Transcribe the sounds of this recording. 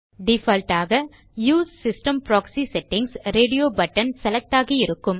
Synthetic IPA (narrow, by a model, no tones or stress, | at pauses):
ɖɪfɐlʈaːɣɐ | juːsːɪsʈɐmpɾaːksisɛʈːɪŋɡsɾeːɖɪjoːbɐʈːɐnsɛlɐk̚ʈaːɣɐɪɾɯkːɯm